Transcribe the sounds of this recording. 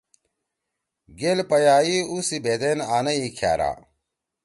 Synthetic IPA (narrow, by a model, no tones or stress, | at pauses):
ɡelpɐjaːiusibeːd̪enaːnɐikʰja̰ːɾa̰ː